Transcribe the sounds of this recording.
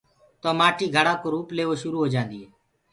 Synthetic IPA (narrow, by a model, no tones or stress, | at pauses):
t̪oːmaːʈʰiːɡʱəɽaːkoːɾuːpleːʋoːʃʊɾuːɦoːd͡ʒãːnd̪iːɦeː